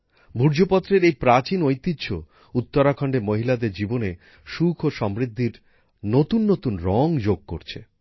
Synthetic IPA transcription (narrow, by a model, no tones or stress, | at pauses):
bʱuɾd͡ʑopɔt̪ːɾeɾejpɾat͡ɕinojt̪it̪ːɕʰo | ut̪ːoɾakʰɔɳɖeɾmoɦilad̪eɾd͡ʑibone | ʃukʰoʃɔmɾid̪ʱːiɾ | not̪unːot̪unɾɔŋd͡ʑoɡ̚ko̰ɾt͡ɕʰe